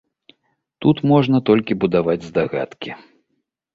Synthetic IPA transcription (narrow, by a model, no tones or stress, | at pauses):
t̪ut̪mɔʐnɐt̪ɔlʲkʲibud̪avad͡zʲzd̪aɣat̪kʲi